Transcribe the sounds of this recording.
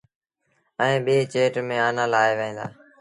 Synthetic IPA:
ɛ̃ːɓeːt͡ʃeːʈmẽːaːnaːlaːeːʋẽːnd̪a̰ː

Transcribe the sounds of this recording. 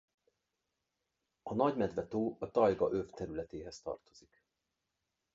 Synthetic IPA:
ɒnɒɟmɛd̪vɛt̪oːɒt̪ɒjɡɒʔøft̪ɛɾylɛt̪eːɦɛst̪ɒ̰rt̪o̞z̥ik

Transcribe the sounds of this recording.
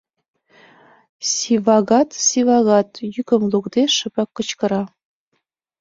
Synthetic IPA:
sʲivɑɣɑt̪sivɑɣɑt̪jykə̆mlukd̪eʃə̆bɑkːɤ̆t͡ɕkɤ̆ɾɑ

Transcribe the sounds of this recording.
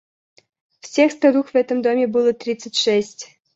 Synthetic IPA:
fsʲexst̪ɐd̪uxvɛt̪əmd̪omʲɪbɨlˠət̪ɾʲit̪sɨtʲʂɛsʲtʲ

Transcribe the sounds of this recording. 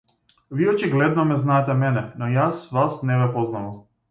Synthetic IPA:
viɔt͡ʃiɡlɛd̪̚nɔmɛznaɛt̪ɛmɛnɛnɔjasvasnɛvɛpɔznavam

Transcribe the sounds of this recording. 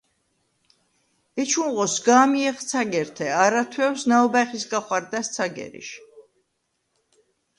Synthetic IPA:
ɛt͡ʃʰunʁɔsɡaːmiɛχt̪sʰaɡɛɾt̪ʰɛaɾat̪ʰwɛwsnaɔbaχisɡaχwaɾd̪ast̪sʰaɡɛ̰ɾḭʃ

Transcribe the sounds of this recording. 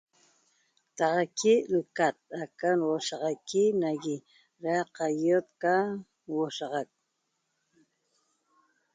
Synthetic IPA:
t̪ɑʁɑkiɾɨkat̪̚akanwoʃɑʁɑjkinaɣi | ɾaqɑjot̪̚ka | woʃɑʁɑk̚

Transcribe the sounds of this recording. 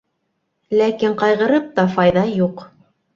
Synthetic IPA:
lækiɴqɑjʁɤ̆ɾɤp̚t̪ɑfɑjðɑjuq

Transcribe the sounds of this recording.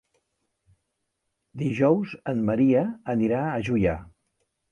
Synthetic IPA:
d̪iʒɔwzənːəɾiəəniɾaəʒuja

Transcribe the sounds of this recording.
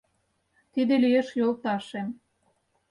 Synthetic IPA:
t̪id̪elijeʃjolˠt̪ɑʃem

